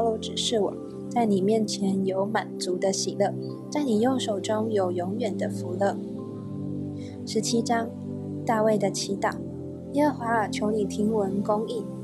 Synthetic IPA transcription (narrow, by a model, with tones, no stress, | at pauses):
lo˧˥ʈ͡ʂɻ̩˨˩ʂɻ̩˥˩wɔ̰˨˩˦ | t͡sa˥˩ɪni˨˩mjɛ˥˩nt͡ɕʰjɛ˧˥njo˧˥ʊma˨˩nt͡su˧˥d̪ə˧ɕi˨˩lɤ˥˩ | t͡sa˥˩ɪni˨˩jʊ˥˩ŋʂo˨˩ʊʈ͡ʂʊ˥ŋjo˨˩ʊjʊ˧˥ŋɥɛ˨˩nd̪ə˦fu˧˥lə˥˩ | ʂɻ̩˧˥t͡ɕʰi˥ʈ͡ʂɑ˥ŋ | t̪a˥˧we˥˩ɪd̪ə˩t͡ɕʰi˧˥t̪ɑ˨˩˦ʊ | i˥ə˥˧xwa˥˩t͡ɕʰjo˧˥ʊni˨˩t̪ʰi˧˥ŋwə˧˥nkʊ˥ŋi˥˩